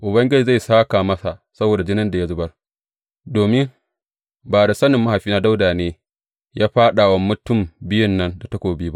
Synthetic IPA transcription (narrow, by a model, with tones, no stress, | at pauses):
ʔʊ˨bɐ˦ŋɡʲɪ˦d͡ʒi˨za˦˨saː˦kaː˨mɐ˦sa˨sɐ˦boː˨da˨d͡ʒɪ˦nɪ˦nda˨ja˦zʊ˦bɐ˦r | doː˨mɪ˦ŋ | baː˨da˨sɐ˦nɪ˨mːa˦ha˨ɸiː˦na˦da˦wdaː˨neː˦ | jaː˦ɸaː˦ɗa˨wɐ˦mːʊ˦tʊ˦˨mbɪ˦jɪ˦nːɐ˦nda˨tɐ˦kʷoː˨biː˦ba˦ʔ